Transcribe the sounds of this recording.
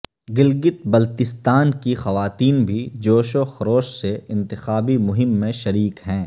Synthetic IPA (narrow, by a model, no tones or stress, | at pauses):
ɡɪlɡɪt̪̚bɐlt̪ɪst̪aːnkixɐʋaːt̪iːnbʱid͡ʒoːʃoxɐɾoːʃseɪ̃nt̪ɪxaːbimʊɦɪmːẽʃɐɾiːkɦɛ̃ː